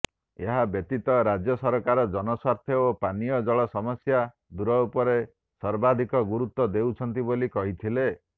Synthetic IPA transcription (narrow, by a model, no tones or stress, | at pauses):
eɦabjet̪it̪ɔɾad͡ʒjɔsɔɾɔkaɾɔd͡ʒɔnɔswaɾt̪ʰjɔopanijɔd͡ʒɔɭɔsɔmɔsja | d̪uɾɔupɔɾe | sɔɾbad̪ʱikɔɡuɾut̪ːɔd̪ewt͡ʃʰɔnt̪ibolikɔɦit̪ʰile